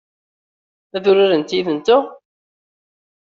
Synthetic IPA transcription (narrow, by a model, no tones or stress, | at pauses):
æðʊɾiɾənt̪jiðənt̪ʊ